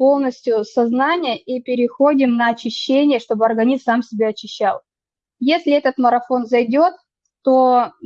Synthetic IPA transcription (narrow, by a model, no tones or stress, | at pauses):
po̞lˠnəsʲtʲjʊsɐznanʲɪjəipʲɪɾʲɪxo̞dʲɪmnəːt͡ɕːɪɕːenʲɪjəʂt̪o̞bɨɐrɡɐnʲizsamsʲɪbʲeɐt͡ɕːɪɕːa̰lˠ | jesʲlʲɪɛt̪ət̪məɾɐfo̞nzɐjdʲo̞t̪̚ː | o̞